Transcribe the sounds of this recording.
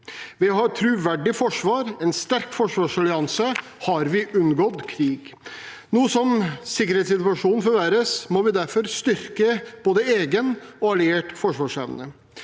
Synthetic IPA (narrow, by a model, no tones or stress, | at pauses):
ʋɪɦɑɾt̪ʰɾʉʋæɖɪfɔʂʋɑːɾɛnst̪æɾkfɔʂʋɑːʂɑlɪɑnsə | hɑɾʋɪʔʉnɡɔd̪kʰɾiːɡnuːəsɔmsɪkːəɾheːt̪sɪt̪ʋɑʂuːnn̩fɔɾʋæːɾəsmɔʋɪd̪æɾfɔɾst̪ʏɾkəb̥oːd̪əeːɡənɔɑlɪeːʈfɔʂʋɑːʂɛʋnə